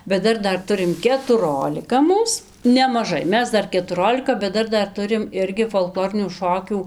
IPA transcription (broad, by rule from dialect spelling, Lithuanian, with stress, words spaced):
bʲɛt ˈdɐr ˈdɐr ˈtʊrʲɪm kʲɛtʊˈroːlʲɪkɐ ˈmuːs nʲɛmɐˈʒɐɪ ˈmʲɛs ˈdɐr kʲɛtʊˈroːlʲɪkɐ bʲɛt ˈdɐr ˈdɐr ˈtʊrʲɪm ˈɪrʲɡʲɪ foːlˠˈklˠoːrʲɪnʲuː ˈʃoːkʲuː